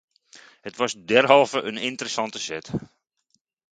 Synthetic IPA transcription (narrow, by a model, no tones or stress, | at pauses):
hətʋɑsdɛrɦɔlˠvəʔənɪntəɾəsɑntəsɛt